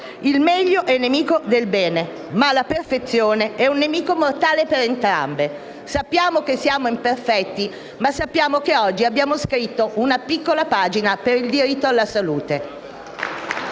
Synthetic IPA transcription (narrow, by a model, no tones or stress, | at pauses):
ilmɛʎːoʔɛnːemiːkod̪elbɛːne | malaperfet̪sjoːneɛunːemiːkomort̪aːlepeɾent̪ɾa̰mbe | sapːjaːmok̟esːjaːmoimperfɛt̪ːi | masːapːjaːmokeɔd͡ʒːiabːjaːmoskɾit̪ːoʔunapikːolapaːd͡ʒinapeɾild̪iɾit̪ːoalːasaluːt̪e